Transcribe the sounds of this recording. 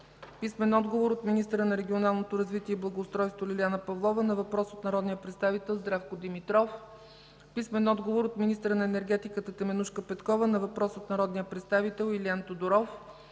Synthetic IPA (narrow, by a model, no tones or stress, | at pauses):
pismɛnɔd̪ɡovoɾot̪minist̪əɾənɐɾɛɡʲionalˠnot̪oɾɐzvit̪iɛiblˠɐɡoːst̪ɾɔjst̪volilʲanəpɐvlˠɔvənɐvɐpɾɔsot̪nɐɾɔd̪nijəpɾɛt̪st̪avit̪ɛlˠzd̪ɾafkod̪imit̪ɾɔf | pismɛnɔd̪ɡovoɾot̪minist̪əɾənɐɛnɛɾɡɛt̪ikət̪ət̪ɛmɛnuʃkəpɛt̪kɔvənɐvɐpɾɔsot̪nɐɾɔd̪nijəpɾɛt̪st̪avit̪ɛlˠiliant̪od̪oɾɔf